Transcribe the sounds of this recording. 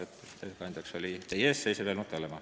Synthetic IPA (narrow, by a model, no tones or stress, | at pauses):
et̪ː | ekɑind̪̥eksolʲit̪ejeːsːeiseʋeːlnmut̪ːˑelemɑ